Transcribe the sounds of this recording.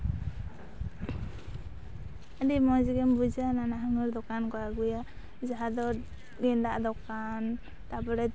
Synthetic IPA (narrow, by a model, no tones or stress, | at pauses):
adimɔd͡ʒiɡɛmbud͡ʒananaɦaŋɯɾd̪ɔkankɔaɡuja | d͡ʒaɦad̪ɔ | ɡɛnd̪aʔd̪ɔkan | t̪abɔɾɛ